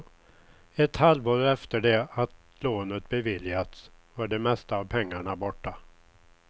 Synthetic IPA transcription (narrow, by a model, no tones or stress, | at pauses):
ɛt̪halvoːɾɛft̪əɖɛat̪ | loːnət̪bɛvɪljat̪svaɖɛmɛst̪aːvpʰɛŋːaɳabɔʈːa